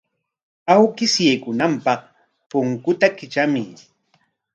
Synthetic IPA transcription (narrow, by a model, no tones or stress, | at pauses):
awkɪsjajkʊnampɑχ | pʊŋkʊt̪akɪt͡ʃamɪ